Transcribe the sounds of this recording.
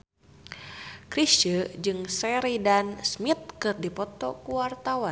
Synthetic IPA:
kɾist͡ʃəd͡ʒɨŋsɛɾidansmit̪̚kɨrdipɔt̪ɔ̰kuwart̪awan

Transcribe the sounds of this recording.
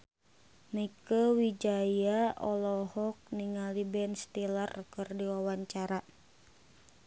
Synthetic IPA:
nikəwid͡ʒajaʔɔlɔhɔk̚niŋalibɛnst̪ilarkərdiawaɲt͡ʃaɾa

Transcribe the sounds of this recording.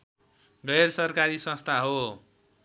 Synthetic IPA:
ɡʌjrsʌrkaɾisʌ̃st̪ʰaɦo

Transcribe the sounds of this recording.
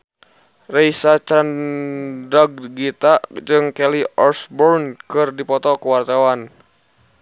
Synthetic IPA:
reisat͡ʃan | dɔɡ̚ɡit̪ad͡ʒɨŋkɛliʔɔrsbɔrnkɨrdipɔt̪ɔkəwart̪awan

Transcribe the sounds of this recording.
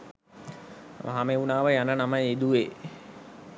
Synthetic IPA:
ʋʔa̰ɦameunaːʋəjanənaməjed̪uʋeː

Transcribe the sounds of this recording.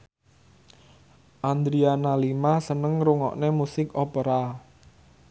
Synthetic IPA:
ʔand̪ɾianalimasənəŋɾuŋɔ̰ʔnemusɪkɔpəɾa

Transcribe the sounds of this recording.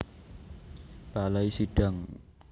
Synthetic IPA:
b̥alaisiɖ̥a̤ŋ

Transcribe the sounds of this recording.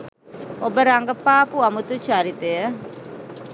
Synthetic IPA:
obəɾaŋkəpapuamut̪ut͡ʃaɾit̪eə

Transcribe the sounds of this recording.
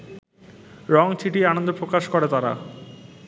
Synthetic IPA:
ɾɔŋt͡ɕʰiʈianond̪opɾokaʃkoɾet̪aɾa̰

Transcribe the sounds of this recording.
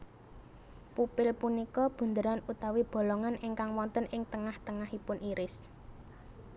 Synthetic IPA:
pupɪlpunikɔb̥ṳnd̪əɾanut̪awib̥o̤lɔŋanʔɪŋkaŋwɔnt̪ənʔɪŋt̪əŋaht̪əŋahipʊnʔiɾɪs

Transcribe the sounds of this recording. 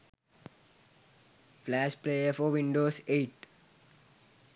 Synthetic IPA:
flæːspleːəfɔʋɪ̃ɳɖoːseːʈ

